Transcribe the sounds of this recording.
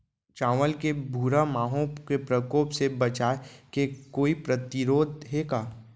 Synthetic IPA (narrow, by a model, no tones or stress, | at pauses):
t͡ʃãːʋəlkebʱuːɾamaːɦõkepɾəkoːpsebɐt͡ʃaːekekoːipɾət̪iɾoːd̪ɦeːkaː